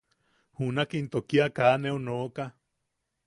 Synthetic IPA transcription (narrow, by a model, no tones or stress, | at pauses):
hunakint̪okiakaːneonoːka